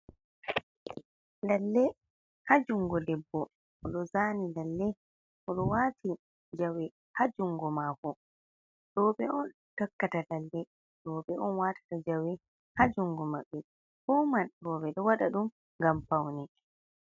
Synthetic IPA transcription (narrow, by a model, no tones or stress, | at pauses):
lalːɛ | had͡ʒuŋɡɔdɛbːɔ | ʔɔɗɔzaːnilalːɛ | ʔɔɗɔwaːti | d͡ʒawɛ | had͡ʒuŋɡɔmaːkɔ | ɗɔːɓɛʔɔn | takːatalalːɛ | ɗɔːɓɛɔnwaːtḁtad͡ʒawɛ | had͡ʒuŋɡɔmaɓːɛ | fɔmanɾɔɓɛɗɔwaɗaɗum | ŋɡampawni